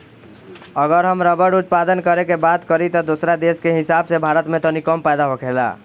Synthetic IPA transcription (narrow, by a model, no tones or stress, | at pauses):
əɣəɾɦəmɾəbəɽut̪̚pad̪ənkəɾekebad̪kəɾit̪ɔd̪osɾad̪eskeɦisabsebʱaɾət̪met̪ɔnikəmpajd̪aɦokʰela̰